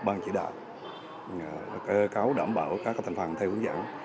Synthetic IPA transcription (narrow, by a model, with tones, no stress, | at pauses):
ɓaː˧nt͡ɕḭ˧˩˦ɗa̰ː˧˨w | ke˨˦kaː˨˦wɗa̰ː˧˩mɓaː˧˩wkaː˦˥k̚t̪ʰa˨˩ŋ̟fə˨˩nt̪ʰɛ˧wʔɨ˨˦ŋza̰ː˧˩˦n